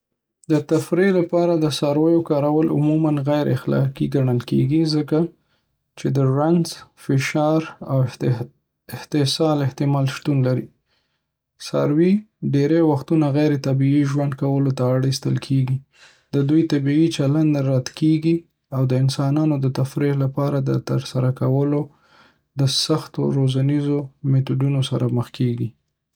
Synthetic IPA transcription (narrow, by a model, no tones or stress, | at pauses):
d̪ət̪afɾelapɑɾad̪əsɑɾwəjokɑɾawəlʊ̰mumanɣajɾʔɪ̰xlɑ̰kiɡaɳəlkeɡizəka | t͡ʃed̪əɾanz̥fɪʃɑɾa̰w | ɪht̪ɪsɑlɪht̪ɪmɑlʃt̪unlaɾḭ | sa̰ɾwiɖeɾewaxt̪unaɣajɾet̪abiiʒwand̪̚kawəlot̪aːɽist̪ə̰lkʰeɡi | d̪əd̪ujt̪abiit͡ʃaland̪aɾat̪keɡi | awd̪əɪnsɑnɑnod̪ət̪afɾelapɑɾad̪ət̪əɾsaɾakawəlo | d̪əsaxt̪o̰ɾozanizomet̪uɖunosaɾʔaməxkʰeɡi